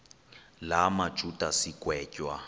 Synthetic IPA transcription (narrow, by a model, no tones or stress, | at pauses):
lamḁt͡ʃʼutʼasikʼwɛːcʼwa